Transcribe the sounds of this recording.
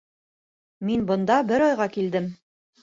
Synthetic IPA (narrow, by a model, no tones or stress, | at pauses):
minbɤ̆nd̪ɑbɘɾɒjʁɑkild̪ɘm